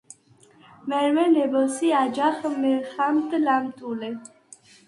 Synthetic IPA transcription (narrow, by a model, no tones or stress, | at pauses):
mɛɾmɛnɛbɔsiad͡ʒaχmɛχamt̪ʼlamt̪ʼulɛ